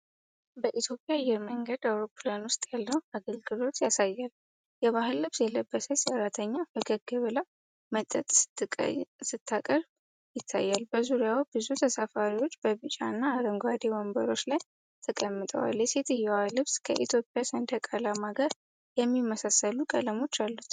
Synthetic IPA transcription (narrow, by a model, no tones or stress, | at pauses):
bəʔit̪ʰjo̞pʼjajːɛɾməŋɡəd̪awɾo̞pːɨleanwʊst̪ʼjalːəwaɡəlɡɨlo̞t̪jasajːal | jɛβaɦɨlːɨβsjɛləbːəsəsəɾːat̪ʰəɲːabəɡəɡɨβɨla | mət̪ʼːət̪ʼsɨ̥ɨ̰sɨt̪ʰːakʼəɾ | jɪt̪ʰːa̰jːalbəzuɾijawb̥ɨzut̪ʰəsafaɾiwo̞t͡ʃːbəβɨt͡ʃʼa̰nːaːɾəŋɡʷwad̪ewɔmbəɾo̞t͡ʃːlaj | t̪ʰəkʼəmːɨt̪ʼə̰wa̰ljɛse̞t̪ɨjɛwahlɨβskʰəʔit̪ʰjo̞pʼːijasənd̪əkʼalamaɡəɾ | jɛmːimːəsasːəlukʼə̰ləmo̞t͡ʃːalːut̪